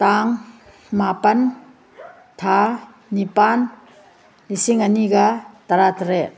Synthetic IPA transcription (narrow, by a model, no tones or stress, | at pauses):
t̪aŋ | mapɐn | t̪ʰaː | ipan | lisiŋaniɡat̪ɐɾat̪ɾe